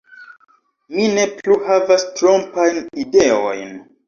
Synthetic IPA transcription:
mine̞pluhavastɾo̞mpajnide̞o̞̰jn

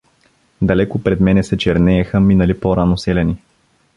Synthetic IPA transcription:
d̪ɐlɛkʊpɾɛd̪mɛnɛsɛt͡ʃɛɾnɛːxəminəlipoɾanosɛlʲɛni

